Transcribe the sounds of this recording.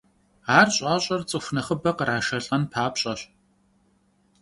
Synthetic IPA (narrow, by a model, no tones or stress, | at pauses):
aːrɕʼaːɕʼɐrt͡sʼɨxʷnɐχəbɐqəɾaːʃɐɬʼɐnpʰaːpɕʼɐɕ